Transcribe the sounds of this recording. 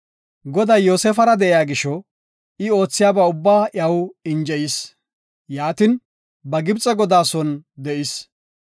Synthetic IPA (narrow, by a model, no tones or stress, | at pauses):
ɡɔd̪ɐjjoːsɛfɐɾɐd̪ɛʔɪjaːɡɪʃɔ | ɪo̞ːt͡sːɪjaːbɐʊbːaːʔɐwɪnd͡ʒɛʔis | jaːt̪ɪn | bɐɡɪbt͡sʼɛɡɔd̪aːsɔnd̪ɛʔɪs